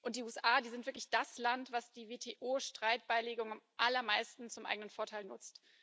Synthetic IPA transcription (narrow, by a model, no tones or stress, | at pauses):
ʔʊnt̚d̥iːʔuːɛsʔaːdiːzɪntv̥ɪɐklɪçd̥aslantv̥asd̥iːveːtʰeːʔoːʃtʁ̥aɪt̚b̥aɪleːɡʊŋamʔalɐmaɪstn̩t͡sʊmʔa̰ɪɡənənfoːɐtʰaɪlnʊt͡st